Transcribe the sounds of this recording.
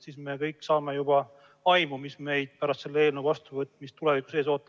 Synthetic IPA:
sisme̞kɤjkˑːsɑːme̞jub̥ɑ | ɑjmumisme̞jd̪̥̚pæɾɑst̪se̞lːee̞ːlnewvɑst̪uvɤt̪ːˑmist̪ule̞viku̥se̞ːs̬o̞ːt̪ːˑɑ

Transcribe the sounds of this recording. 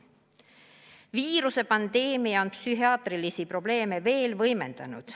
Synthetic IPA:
viːɾuse̞pɑnd̪̥e̞ːmiɑonpsyɦiɑːt̪rilisipro̞b̥le̞ːme̞ve̞ːlvɤjme̞nd̪̥ɑnṵd̪̥

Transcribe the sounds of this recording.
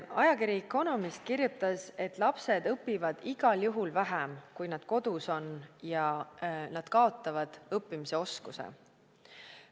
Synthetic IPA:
ɑjɑkiɾikːˑo̞no̞mist̪̚kirjut̪ːˑɑse̞t̪ːˑlɑpse̞d̪ɤpːivɑd̪̥iɡ̥ɑljuɦulvæɦemkujnɑd̪̥̚ko̞d̪̥uso̞njɑnɑd̪̥kɑo̞t̪ˑːɑvɑd̪̥ɤpːimise̞o̞skusḛ

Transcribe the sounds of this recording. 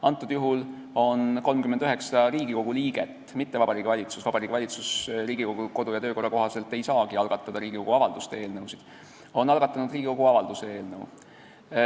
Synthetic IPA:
ɑnt̪ːˑud̪̥juɦul | o̞nko̞lmkymːend̪yɦe̞ksɑɾiːɡiko̞ɡ̥uliːɡ̥et̪ːˑmit̪ːe̞vɑbɑɾiːɡ̥ivɑlʲit̪susvɑbɑɾiːɡivɑlʲit̪susriːɡiko̞ɡ̥uko̞d̪ujɑt̪øːko̞rːɑkoɦɑse̞lt̪ːˑe̞jsɑːɡ̥iɑlɡ̥ɑt̪ːˑɑd̪ɑɾiːɡ̥iko̞ɡ̥uɑvɑld̪ust̪ee̞ːlnɤwsid̪̥ | o̞nːɑlɡɑt̪ːˑɑnud̪̥riːɡ̥iko̞ɡ̥uɑvɑld̪usee̞ːlnɤw

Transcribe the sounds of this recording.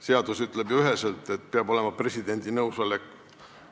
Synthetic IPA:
se̞ɑd̪̥usyt̪ːˑle̞bjuyɦe̞selt̪ːˑe̞t̪̚peɑbo̞le̞mɑpre̞sʲid̪e̞nʲd̪̥inɤwsɑlekːˑ

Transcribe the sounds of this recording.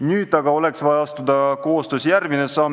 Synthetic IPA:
nyːd̪ɑɡ̥ɑo̞le̞ksvɑjɑɑst̪ud̪̥ɑko̞ːst̪øːsʲjærɡ̥minesɑːm

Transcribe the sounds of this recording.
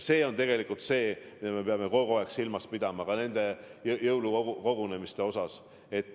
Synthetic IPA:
se̞ːo̞nt̪e̞ɡe̞likːˑult̪se̞ːmid̪̥ɑme̞pe̞ɑme̞ko̞ɡueksilmɑspid̪̥ɑmɑkɑne̞nd̪̥e̞jɤwluuko̞ɡune̞mist̪e̞o̞sɑs | e̞t̪ːˑ

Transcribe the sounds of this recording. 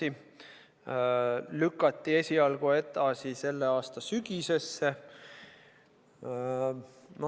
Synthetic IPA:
i | lykːˑɑt̪ːie̞sʲiɑlɡ̥ue̞t̪ˑɑsise̞lːe̞ɑːst̪ɑsyɡ̥ise̞sːe̞ | no

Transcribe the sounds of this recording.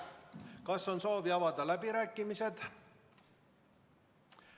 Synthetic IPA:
kɑsːo̞nso̞ːviɑvɑd̪̥ɑlæbiɾæːkːimise̞d̪̥

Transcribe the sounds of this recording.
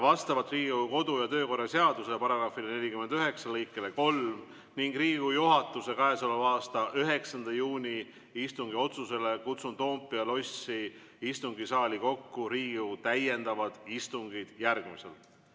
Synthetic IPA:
vɑst̪ɑvɑt̪ˑriːɡuko̞d̪ujɑt̪ø̞ːko̞rːɑse̞ɑd̪̥usepɑɾɑɡ̥rɑfilene̞lʲikymːend̪yɦe̞ksɑlɤjkːˑe̞leko̞lm | niŋɡ̥riːɡɡujuɦɑt̪ːˑuse̞kɑesolɑvɑːst̪ɑʔyɦe̞ksɑnd̪ɑjuːnʲi | ist̪uŋɡio̞t̪suse̞le̞kut̪sunt̪o̞ːmpːˑiɑlo̞sːi | ist̪uŋɡisɑːlʲiko̞kːuɾiːɡut̪æje̞nd̪̥ɑvɑd̪̥ist̪uŋɡid̪̥jærɡ̥misḛl

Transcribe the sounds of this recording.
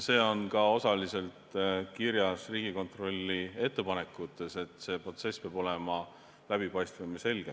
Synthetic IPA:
se̞ːo̞nkɑo̞sɑlise̞lt̪kiɾjɑsriːɡiko̞nt̪ro̞lʲːie̞t̪ːe̞pɑne̞kːˑut̪ːˑese̞t̪se̞ːpro̞t̪se̞speɑb̥o̞le̞mɑ | læb̥ipɑjst̪vɑmise̞lɡ̥e

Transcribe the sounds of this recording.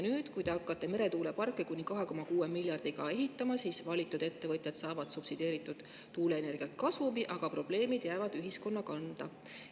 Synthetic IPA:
nyːd̪̥kujt̪e̞ɑkːˑɑt̪ːˑe̞me̞ɾe̞t̪uːlepɑrkːˑe̞kunʲikɑɦe̞ko̞mɑkuːemilʲjɑrd̪̥iɡ̥ɑ̰e̞ɦit̪ːˑɑmɑsiːsvɑlʲit̪ːˑud̪̥e̞t̪ːe̞vɤt̪ʲˑjɑt̪sɑːvɑd̪̥supsid̪e̞ːɾit̪ːˑud̪̥ː | uːle̞ːne̞rɡ̥iɑlt̪̚kɑsvumiʔɑɡ̥ɑpro̞b̥le̞ːmid̪̥jæːvɑd̪̥yɦisko̞nːɑkɑnd̪̥ɑ

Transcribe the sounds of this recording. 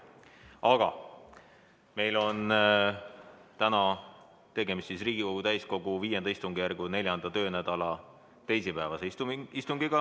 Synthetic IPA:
ɑɡ̥ɑ̰ | me̞jlo̞n | t̪ænɑ | t̪e̞ɡe̞mist̪sisriːɡ̥iko̞ɡ̥ut̪æjsko̞ɡ̥uviːje̞nd̪ɑist̪uŋɡ̥ijæɾɡ̥une̞lʲjɑnd̪ɑt̪ø̞ːnæd̪̥ɑlɑ | t̪e̞jsipæːvɑseist̪uŋɡiɡ̥ɑ

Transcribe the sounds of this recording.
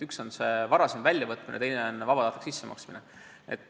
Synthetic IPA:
ykso̞nse̞vɑɾɑsemvælʲjɑvɤt̪minḛt̪ejneo̞nvɑb̥ɑd̪ɑːt̪e̥ksisːemɑ̰ksmine | ḛt̪

